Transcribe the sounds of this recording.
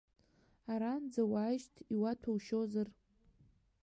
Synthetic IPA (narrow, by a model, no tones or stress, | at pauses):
aɾand͡zawaːʒtʰiwatʰawʃozar